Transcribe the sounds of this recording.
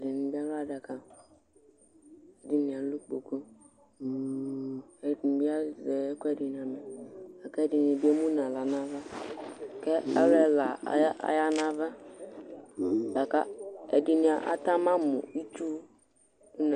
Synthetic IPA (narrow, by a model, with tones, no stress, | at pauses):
ɛ˨dɪ˨nĩ˨bi˦a˦la˦˨dɛ˨ka˨ | ɛ˨di˦nĩ˨a˨lu˦k͡po˨ko˦˨ | n˨bi˦a˦zɛ˨˦kɔ˦ɛ˦˨dɪ˨n˨a˨mɛ˨a˨kɛ˦dɪ˨nĩ˨bi˦e˦mũ˦nã˨la˨nã˦va˦˨ | kɛ˦a̰˦ɾɛ˦la̰˨˦a̰˦ja˦nã˦va˦ | a˨ka˦ɛ˨di˨nĩ˨a˨ʔa̰˨t̪a˦mã˦mʊ̰̃˨i˦tu˦ | na˨